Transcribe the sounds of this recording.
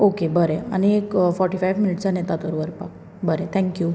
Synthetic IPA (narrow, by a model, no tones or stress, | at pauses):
okebəɾeə̰neːkfɔɾʈifajʋminɪʈsanet̪at̪oɾuʋəɾpak | bəɾet̪ʰɛ̃ŋkju